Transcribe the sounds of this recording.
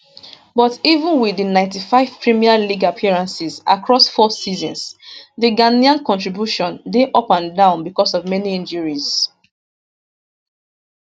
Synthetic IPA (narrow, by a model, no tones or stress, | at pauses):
bɔtivə̃nwiðinãɪ̃ntifaɪv̥pʰɹimialiɡapʰiɹãnsiza̰kɹɔsfɔsizɔ̃nsðəɡaniãnkɔ̃ntɹibjuʃɔ̃ndeʔɔpãndãʊ̃nbikɔsɔvmɛniĩnd͡ʒəɹiz̥